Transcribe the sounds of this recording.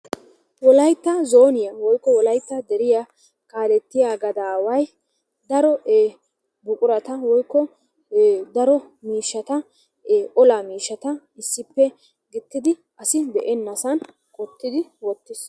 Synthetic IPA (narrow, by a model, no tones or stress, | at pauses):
wɔlɐjt̪ːɐzoːnɪjɐwɔjkːɔwɔlɐjt̪ːɐd̪ɛɾɪja | kaːɾɛt̪ːɪjaɡɐd̪aːwɐj | d̪ɐɾɔeː | bʊkʼʊɾɐt̪ɐwɔjkːɔ | d̪ɐɾɔ | miːʃːɐt̪ɐː | ʔɔlamiːʃːɐt̪ɐ | ɪsːɪpːɛ | ɡɪt̪ːɪd̪ɪ | ʔɐsɪd̪ɛʔɛnːɐsɐn | kʼɔt̪ːɪd̪ɪwɔt̪ːɪs